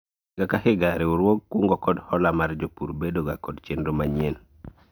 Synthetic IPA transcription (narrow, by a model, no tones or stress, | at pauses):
ɡakahiɡaɾiwuɾwoɡ̚kuŋɡɔkodhɔlamaɾɟopṵɾbedoɡakodt͡ʃendomaɲen